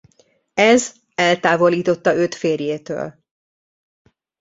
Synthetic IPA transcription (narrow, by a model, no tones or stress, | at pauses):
ɛz | ɛlt̪aːvo̞liːt̪o̞t̪ːɒøt̪feːrjeːt̪ø̰ːl